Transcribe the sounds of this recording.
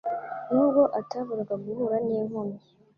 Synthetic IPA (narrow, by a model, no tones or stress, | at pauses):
nuɡoʔataβuɾakabuhuɾaneːŋomi